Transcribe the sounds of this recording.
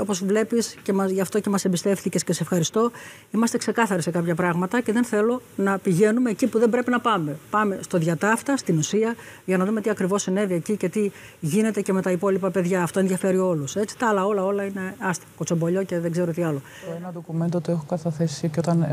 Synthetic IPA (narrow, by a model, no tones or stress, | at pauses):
o̞po̞zvle̞piscemɐʝɐft̪o̞ce̞mɐsembist̪e̞fθicesceseefxɐɾist̪o̞ | imɐst̪e̞kse̞kɐθɐɾise̞kɐpçɐpɾɐɣmɐt̪ɐce̞ðe̞nθe̞lo̞nɐpiʝe̞nume̞ːcipuðembɾe̞pinɐpɐme̞pɐme̞st̪o̞ðʝɐt̪ɐft̪ɐst̪inusiɐ | ʝɐnɐðumet̪iɐkɾivo̞sine̞viecice̞t̪i | ʝine̞t̪e̞ceme̞t̪ɐipo̞lipɐpe̞ðʝɐːft̪o̞enðʝɐfe̞ɾio̞luse̞t͡si̥t̪ɐɐlɐo̞lɐo̞lɐine̞ɐst̪imɐkot͡so̞mbo̞ʎo̞ce̞ðeɡze̞ɾot̪iɐlo̞ | oenɐd̪okume̞nt̪ot̪uexokɐθɐθesiicot̪ɐn